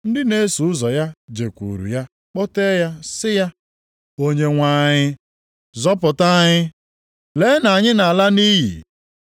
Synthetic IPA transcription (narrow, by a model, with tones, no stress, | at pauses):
n̩˦dɪ˦ne˦su˨ʊ˦zɔ˨ja˦d͡ʒe˨kʷṵ˨ɾṵ˨ja˦ | k͡pɔ˦te˦ja˦sɪ˦ja˦ | o˦ɲe˦ŋʷaː˨˦˨ɲɪ˦ | zɔ˦pʊ˨ta˦ɲɪ˦ | le˨˦na˨ɲɪ˦na˨la˦niː˦ɦḭ˨